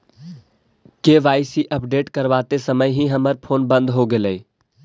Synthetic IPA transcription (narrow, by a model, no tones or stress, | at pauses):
keːʋaːɪsiʔəpɖeːʈkəɾʋaːt̪esəməjɦiɦɐməɾpʰoːnbə̃nd̪ɦoɡɪlei